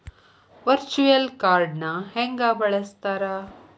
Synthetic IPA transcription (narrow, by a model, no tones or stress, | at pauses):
ʋɐɾt͡ʃujɐlkaːɾɖnɐheŋɡaːbɐɭɐst̪aːɾɐ